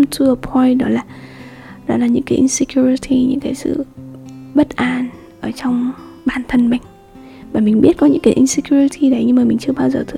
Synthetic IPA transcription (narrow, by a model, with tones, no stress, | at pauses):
mt̪ʰu˧˩ə˧pʰɔ˧jɗɔ˨˦laː˨˩ | ɗɔ̰˨˦laː˨˩ɲɨ̰˧˥ŋkaː˨˦ʔi˧nsi˧kju˧ɹi˧t̪ʰi˧ɲɨ̰˧˥ŋkaː˨˦jsɨ̰˧˨ | ɓə˦˥t̚ʔaː˧˩n | ʔəː˧˩t͡ɕɔ˧wŋ͡mɓaː˨˩nt̪ʰə˧nma˨˩ŋ̟ | vaː˨˩mï˨˩ŋ̟ɓi˦˥ət̚kɔ˨˦ɲɨ̰˧˥ŋkaː˨˦jʔi˧nsi˧kju˧ɹi˧t̪ʰi˧ɗə˨˦jɲɨ˧ŋmaː˨˩mï˨˩ŋ̟t͡ɕɨ˧əɓaː˧wzəː˨˩t̪ʰ